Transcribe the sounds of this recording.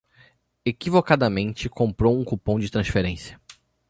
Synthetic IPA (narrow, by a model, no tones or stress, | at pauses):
ekivokad̪ɐmẽnt͡ʃɪkõmpɾowũkupõw̃d͡ʒɪt̪ɾɐ̃sfeɾẽsjɐ̥